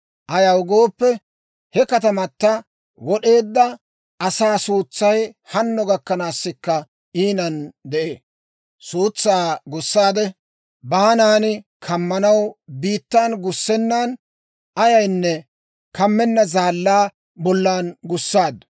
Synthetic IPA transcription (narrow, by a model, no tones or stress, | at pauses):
ʔɐjɐwɡo̞ːpːɛ | hɛkɐt̪ɐmɐt̪ːɐ | wɔɗe̞ːd̪ːɐ | ʔɐsaːsuːt͡sːɐjhɐnːɔɡɐkːɐnaːsːɪkːɐ | ʔiːnɐnd̪ɛʔḛː | suːt͡sːaːɡʊsːaːd̪ɛ | baːnaːnɪkʰɐmːɐnɐwbiːt̪ːaːnɡʊsːɛnːaːn | ʔɐjɐjnːɛ | kɐmːɛnːɐzaːlːaː | bɔlːaːnɡʊsːaːd̪